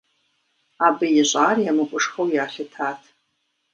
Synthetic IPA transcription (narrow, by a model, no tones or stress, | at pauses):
aːbɨjɪɕʼaːrjamɨkʷʼʊʂxɐwjaːɬɨtʰaːtʰ